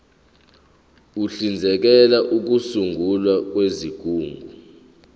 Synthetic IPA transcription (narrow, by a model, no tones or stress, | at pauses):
uɬind͡zʱɛk̬ɛlaʔuk̬usuŋɡʱulwak̬weziɡ̥ʱuːŋɡʱu